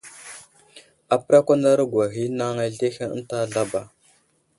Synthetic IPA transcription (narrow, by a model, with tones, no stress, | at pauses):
a˨pə˦ɾa˦kʷa˦nda˦ɾa˦ɡwa˨ɦi˦na˦ŋa˦ɮe˦xa˦ə˦n˦ta˦˨ɮa˦ba˨